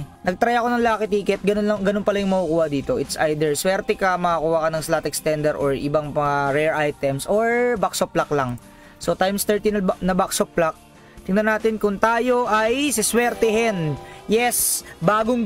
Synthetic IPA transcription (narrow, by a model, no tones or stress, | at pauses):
nɐɡ̚t̪ɾɐjɐko̞nɐŋlaːkɪt̪iːkɛt̪̚ɡɐnonlɐŋɡɐnonpɐlɐjʊŋmɐkukuːhɐd̪iːt̪o̞ʔɪt̪sʔajd̪ɛɹswɛɾt̪ɛkɐmɐɐkuːhɐkɐnɐŋslaːt̪ɛk̚st̪ɛnd̪ɛɾʔoɹʔɪbaŋɐaɾɛɹʔajt̪ɛmsoɹbaksoplaklaŋ | so̞t̪ajmst̪ɛɹt̪inɐnɐbaksopːlak̚ | t̪ɪŋnɐnaːt̪ɪnkʊŋt̪aːjo̞ʔajsɪswɛɾt̪ɛɦɛnjɛsbaːɡoŋ